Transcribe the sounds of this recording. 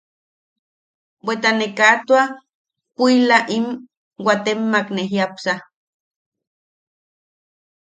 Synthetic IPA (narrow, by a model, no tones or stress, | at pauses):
bʷwet̪anekat̪wa | puilaʔim | wat̪emːakneɦjapsa